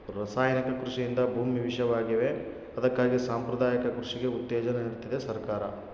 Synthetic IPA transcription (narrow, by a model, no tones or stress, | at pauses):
ɾɐsaːjɐnikɐkɾuʂijind̪ɐbʱuːmiʋiʃɐʋaːɡiʋe̞ | ɐd̪ɐkːaːɡisaːmpɾɐd̪aːjɐkɐkɾuʂiɡe̞ut̪ːɛːd͡ʒɐneniɽt̪id̪esɐɾkaːɾɐ